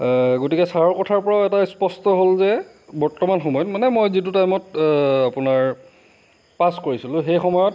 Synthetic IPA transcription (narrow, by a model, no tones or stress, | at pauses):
ɡotikɛsaɹɔɹkɔtʰaɹpɔɹaʊɛtaspɔstɔɦolzɛ | bɔɹtɔmanxɔmɔjɔtmanɛmojzit̬utajmɔtapʊnaɹ | paskoɹisilʊ̃xejxɔmɔjɔt̚